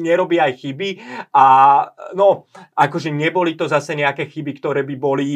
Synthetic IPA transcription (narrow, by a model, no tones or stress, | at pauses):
ɲɛɾɔbiajxibiʔanɔʔakɔʒɛɲɛbɔlit̪ɔzasɛɲɛakɛːxibikt̪ɔɾɛːbibɔli